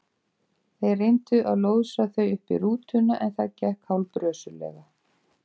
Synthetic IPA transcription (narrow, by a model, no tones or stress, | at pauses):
θejrejnt̪ʏʔaðloːwðsaθœɥʏhpḭɾuːt̪ʏnːaʔɛnθaðcɛhkhawlpɾœːsʏlɛ̰ɣa